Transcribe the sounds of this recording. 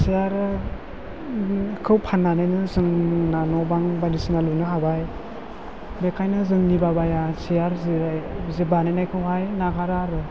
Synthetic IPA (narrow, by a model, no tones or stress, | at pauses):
siaɾ | kʰɯwpʰanːanajnɯzɯŋnanɔbaŋbadisinalunɯɦabaj | bekʰajnɯzɯŋnibabajasijaɾziɾajzebanajnajkʰɯwɦajnaɡaɾaɾɯ